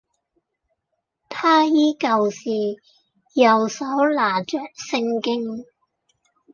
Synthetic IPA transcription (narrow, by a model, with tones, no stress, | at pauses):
t̪ʰaː˥jiː˥kɐ˨˧wsiː˨˩ | jɐ˨˩wsɐ˨˥wlaː˨˩t͡ʃœː˨k̚sɪ˧ŋkɪ˥ŋ